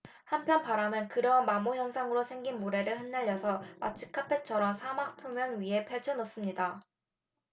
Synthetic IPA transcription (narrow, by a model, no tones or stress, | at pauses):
hampʰjʌnpaɾamjʌnkɯɾʌmamojʌnsʰaŋɯɾosʰe̞ŋɡinmoɾe̞ɾɯɭhɯnːaʎːʌsʰʌa̰t͡ɕʰi̥kʰapʰe̞t͡ɕʰʌɾʌnsʰamak̚pʰjomjʌŋɥiɦe̞pʰeɭt͡ɕʰʌnos͈ɯmɲida